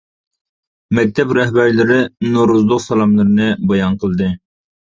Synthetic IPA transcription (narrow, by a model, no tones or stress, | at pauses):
mɛk̚ʲt̪ʰɛpɾɛɦbæɾlɪɾɪnoɾuzlˠʊqsɑlˠɑmlˠɨɾɨnɨbɑjɑnqʰəlˠd̪ɨ